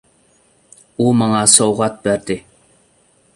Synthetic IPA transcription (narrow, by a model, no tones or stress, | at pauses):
umɑŋɑsowʁɑt̪̚bæɾd̪ɪ